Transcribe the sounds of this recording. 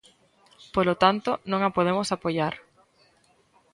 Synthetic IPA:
polot̪ant̪onõŋapoð̞emosapoʎaɾ

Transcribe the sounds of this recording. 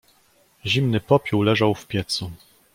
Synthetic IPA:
ʑimnɘpɔpʲuwlɛʐawfpʲjɛt̪su

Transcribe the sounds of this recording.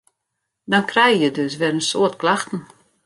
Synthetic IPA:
dɔnkrɛjjədøs̬ʋɛrənsoətklaxtn̩

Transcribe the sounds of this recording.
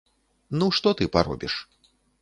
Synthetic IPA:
nuʂt̪ɔt̪ɨpa̰ɾɔ̰bʲiʂ

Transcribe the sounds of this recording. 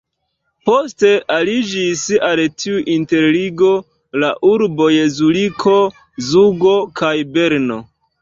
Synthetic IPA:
po̞ste̞ʔalid͡ʒisaltʰiuʔinte̞ɾliɡo̞ | laʔuɾbo̞jezulikʰo̞ | zuɡo̞kajbe̞ɾno̞

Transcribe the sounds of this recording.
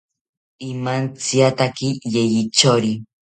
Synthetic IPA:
imant͡siat̪akijejit͡ʃoɾi

